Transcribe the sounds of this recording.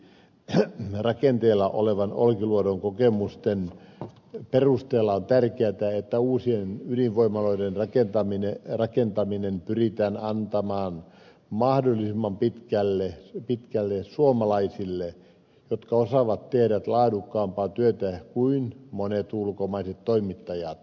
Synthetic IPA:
rɑkent̪eːlːɑʔo̰leʋɑno̰lkiluoɾoŋkokemust̪en | perust̪eːlːɑont̪ærkeæt̪æet̪ːæuːsienyliʋʋoimɑloidenrɑkent̪ɑminerɑkent̪ɑminempyrit̪æːnɑnt̪ɑmɑːn | mɑhdolːˑisimːɑmpit̪kælːepit̪kælːesuomɑlɑisilːe | jot̪kɑosɑʋɑt̪t̪ehɾæt̪lɑːdukːɑːmpɑːt̪yøt̪ækuinmonet̪ulkomɑiset̪t̪ːoimit̪ːɑjɑt̪

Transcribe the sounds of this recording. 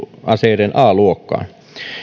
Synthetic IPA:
ɑseˑrenʔɑːluokːɑ̰ːn

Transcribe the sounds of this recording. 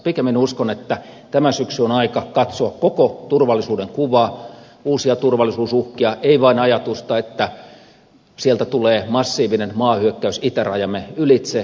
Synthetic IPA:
pikemːinuskonet̪ːæ | t̪æmæsyksyonɑikɑkɑt̪soɑkkokot̪urʋɑlːˑisuːdeŋkuʋɑː | uːsiɑt̪urʋɑlisuːsuhkiɑʔeiʋɑinɑjɑt̪ust̪ɑet̪ːæ | sielt̪æt̪uleːmɑsːiːʋinenmɑːhyøkːæysit̪erɑjɑmeylit̪se

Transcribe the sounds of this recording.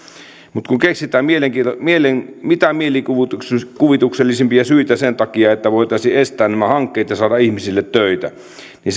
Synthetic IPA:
mut̪kuŋkeksit̪æːmmieleŋkimielenmit̪æmielikukuʋit̪ukselːisempiæsyit̪æsent̪ɑkiɑet̪ːæʋoˑit̪ɑˑisiʔest̪æːnnæmæhɑŋkːeːt̪jɑsɑːdɑihmisilːet̪tøˑit̪æ̰ | ni

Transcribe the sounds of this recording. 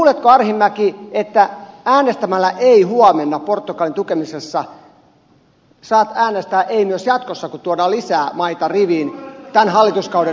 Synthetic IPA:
let̪koɑrhimːækiet̪ːææːnest̪æmælːæʔeihuɑmenːɑport̪ːukɑlint̪ukemisesːɑ | sɑːt̪æːnest̪æːʔeimyøsjɑt̪kosːɑkut̪uodɑːlisæːmɑit̪ɑriʋiːnt̪ænhɑlːit̪uskɑude

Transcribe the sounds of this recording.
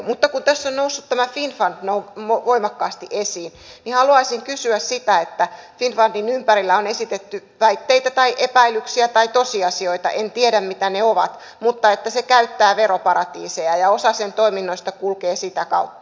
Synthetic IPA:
mut̪ːɑkunt̪æsːonnousːut̪t̪æmæfinfɑnd̥noumoʋoimɑkːɑːst̪iʔesiːnnihɑluɑisiŋkysyæssit̪æet̪ːæfinfɑndinympæɾilːæonesit̪et̪ːyʋæit̪ːeit̪æt̪ɑiʔepæilːˑyksiæt̪ɑit̪osiɑsioit̪ɑ̰ʔent̪ieɾæmmit̪æneoʋɑ̰t̪ | mut̪ːɑet̪ːæsekæyt̪ːæːʋeɾopɑɾɑt̪iːsejɑjɑosɑsent̪oiminːoist̪ɑkulkeːsit̪ækɑ̰ut̪ːɑ̥

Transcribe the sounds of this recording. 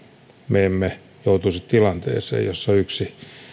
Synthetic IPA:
meːmːe | jout̪usit̪t̪ilɑnt̪ḛːsḛːjjosːɑyksi

